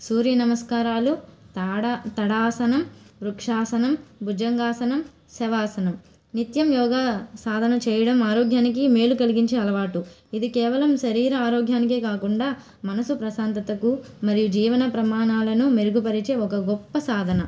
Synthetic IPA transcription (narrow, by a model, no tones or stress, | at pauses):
suːɾjɐnɐmɐskaːɾaːlu | t̪ɐɽaːsɐnɐmɾukʂaːsɐnɐmbud͡ʒɐŋɡaːsɐnɐm | sɛʋaːsɐnɐm | nit̪jɐmjɔːɡaːsaːd̪ʱɐnɐt͡ʃɛːjɐɽɐmaːɾoːɡʱjaːnikime̞ːlukɐliɡiɲt͡ʃeːɐlɐʋaːʈu | id̪ikɛːʋɐlɐmʃɐɾiːɾɐaːɾoːɡʱjaːnik̬eːkaːkuɳɖaː | mɐnɐsupɾɐsaːnt̪ɐt̪ɐku | mɐɾijud͡ʒiːʋɐnɐpɾɐmaːɳaːlɐnumeɾuɡupɐɾit͡ʃe̞ːɔkɐɡɔpːɐsaːd̪ʱɐnɐ